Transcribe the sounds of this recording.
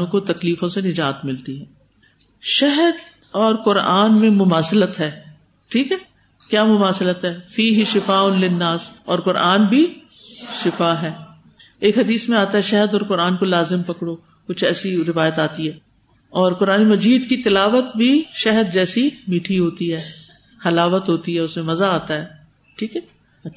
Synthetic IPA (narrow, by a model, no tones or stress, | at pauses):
õkot̪ɐkliːfõsenɪd͡ʒaːt̪mɪlt̪iɦɛ̃ː | ʃɛɦəd̪ | ɔːɾkʊɾaːnmẽmʊmaːslət̪ɦɛː | ʈʰiːkɦɛː | kjaːmʊmaːslət̪ɦɛːfiːɦɪʃɪfaːʊnlɪnːaːsɔːɾkʊɾʔaːnbʱi | ʃɪfaːɦɛː | eːkɦɐd̪iːsmẽaːt̪aɦɛʃɛɦəd̪ɔːɾkʊɾaːnkolaːzɪmpɐkɽoː | kʊt͡ʃʰɛːsiɾɪʋaːjət̪aːt̪iɦɛː | ɔːɾkʊɾaːnemɐd͡ʒiːd̪kit̪ɪlaːʋət̪bʱiʃɛɦəd̪̚d͡ʒɛːsimiːʈʰiɦoːt̪iɦɛː | xɐlaːʋət̪ɦoːt̪iɦɛːʊsmẽmɐzaaːt̪aɦɛː | ʈʰiːkɦɛ